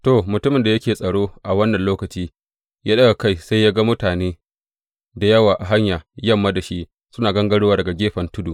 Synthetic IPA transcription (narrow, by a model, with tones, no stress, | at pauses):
to˨mʊ˨tʊ˦mɪ˨nda˨jɐ˦kʲeː˨sʼɐ˨ɽoː˦ʔa˨wɐ˦nːɐ˨nloː˦kɐ˨t͡ʃiː˦ | jʔaː˦ɗɐ˦ɡa˨ka˦˨jsa˦jaː˦ɡa˦mʊ˦taː˨neː˦ | da˨jɐ˦waː˨ʔa˨ɦa˦ɲjaː˨jɐ˦˨mːaː˦da˨ʃi˦ʔ | sʊ˦naː˨ɡɐ˦ŋɡɐ˦ɽʊ˦waː˨dɐ˨ɡa˨ɡʲeː˦ɸɐ˨ntʊ˦duː˨